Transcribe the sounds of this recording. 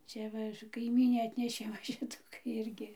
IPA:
ˈt͡sʲɛ ʋɐ kɐɪˈmʲiːnʲeː ˈɑːtʲnʲɛʃʲeː ʋɐ ˈʃʲɪtuː ˈɪrʲɡʲɪ

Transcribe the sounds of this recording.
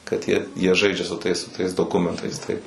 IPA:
kɐt ˈjiɛ jiɛ ˈʒɐɪd͡ʒʲɛ sʊ ˈtɐɪs sʊ ˈtɐɪs doːˈkʊmʲɛntɐɪs ˈtɐɪp

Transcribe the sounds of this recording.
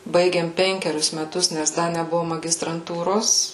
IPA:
ˈbɐɪɡʲeːm ˈpʲɛŋʲkʲɛrʲʊs mʲɛˈtʊs nʲɛs ˈdɐ nʲɛˈbʊʋoː mɐɡʲɪstrɐnˈtuːroːs

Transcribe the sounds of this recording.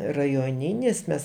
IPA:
rɐjoːˈnʲɪnʲɪs ˈmʲɛs

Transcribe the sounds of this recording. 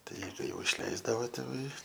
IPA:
ˈtɐɪ kɐɪ jɛʊ ɪʃʲˈlʲɛɪzdɐʋoː tʲeːˈʋɐɪ

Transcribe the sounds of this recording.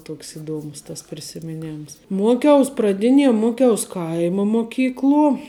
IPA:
ˈtuɔks ɪˈduɔmʊs tɐs pʲrʲɪsʲɪmʲɪˈnʲeːms ˈmuɔkʲɛʊs prɐˈdʲɪnʲiɛ ˈmuɔˌkʲɛʊs ˈkɐɪmɐ moːˈkʲiːklˠuɔ

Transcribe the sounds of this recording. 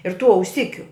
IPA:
ɪr tuː ɐʊˈsʲɪkʲʊ

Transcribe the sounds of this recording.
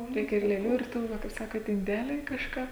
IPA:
ˈrʲɛɪkʲɛ ɪr lʲeːˈlʲuː ɪr ˈtuː ˈʋɐ kɐɪp ˈsɑːkoːt ɪnʲˈdʲæːlʲɛɪ kɐʃˈkɑː

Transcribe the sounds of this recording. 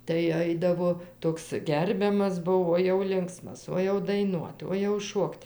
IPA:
tɐɪ ˈɐɪdɐʋoː ˈtoːks ˈɡʲɛrʲbʲɛmɐs ˈbʊʋoː oː jɛʊ ˈlʲɪŋksmɐs oː jɛʊ dɐɪˈnuɔt oː jɛʊ ˈʃuɔkt

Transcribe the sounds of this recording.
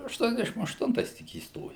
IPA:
ɐʃˈtuɔnʲɛzʲdʲɛʃʲɪm ɐʃˈtʊntɐɪs tʲɪk iːsˈtoːjɛʊ

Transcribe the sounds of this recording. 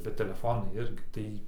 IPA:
bʲɛt tʲɛlʲɛˈfoːnɐɪ ˈɪrʲɡʲɪ ˈtɐɪ

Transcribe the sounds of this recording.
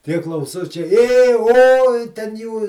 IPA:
tʲiɛ klˠɐʊˈsʊt͡ʃʲɛɪ eː oːj tʲɛn ˈjuː

